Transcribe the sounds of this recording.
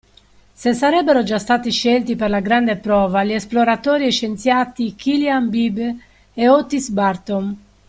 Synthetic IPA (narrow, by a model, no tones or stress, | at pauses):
sesaɾɛbːeɾod͡ʒast̪aːt̪iʃɛlt̪iperlaɡɾand̪epɾɔːvaliɛsploɾat̪ɔːɾiɛʃent̪sjaːt̪ikʰiljambib | eot̪ːisbaɾt̪om